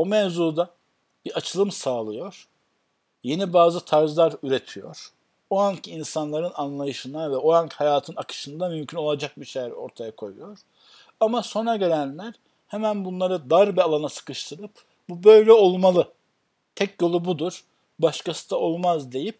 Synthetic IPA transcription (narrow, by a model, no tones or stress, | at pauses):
omɛvzuːd̪a | b̥iat͡ʃʰɯlˠɯmsaːlˠɯjo̞ɾ̥ | je̞nibaːzɯt̪ʰaɾzlˠaɾyɾe̞t̪ʰijo̞̰ɾ̥ | ohaɲcʰiinsanlˠaɾɯnanlˠajɯʃɯnavɛohaɲchajaːt̪ʰɯnakʰɯ̥ʃɯnd̪amymcʰyno̞lˠad͡ʒak̚biʃejɛɾo̞̰ɾt̪ʰajakʰo̞jṵjo̞ɾ̥ | amaso̞naɟe̞ɾʲænlʲæɾ̥ | hemænbunlˠaɾɯd̪aɾbialˠanasɯ̥kɯʃt̪ʰɯɾɯp | bubø̞jlʲɛo̞lˠmalˠɯ | t̪ʰɛcjo̞lˠubud̪uɾ̥ | baʃkasɯ̥d̪ao̞lˠmazd̪e̞jip̚